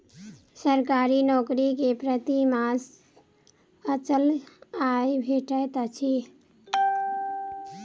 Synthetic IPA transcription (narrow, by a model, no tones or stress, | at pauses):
səɾkaɾinɔkɾikepɾət̪imas | ət͡ʃəlajbʱeʈət̪ət͡ʃʰi